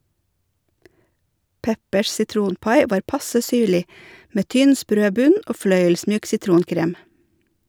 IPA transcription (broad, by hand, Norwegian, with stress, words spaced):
ˈpɛpəʃ sɪˈtɾuːnˌpɑɪ ˈʋɑːɾ ˈpɑsə ˈsyːɭɪ ˈmeː ˈtʏn ˈspɾøː ˈbʉn ˈoː ˈflœʏəlˌsmyːk sɪˈtɾuːnˌkɾeːm